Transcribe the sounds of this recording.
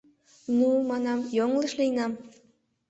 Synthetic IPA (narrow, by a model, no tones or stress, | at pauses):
numɑnɑmjoŋləʃlijnɑm